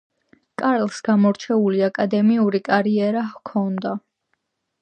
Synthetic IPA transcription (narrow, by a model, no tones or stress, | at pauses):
kʼaɾlsɡamɔɾt͡ʃʰɛuliakʼad̪ɛmiuɾikʼaɾiɛɾahkʰɔnd̪a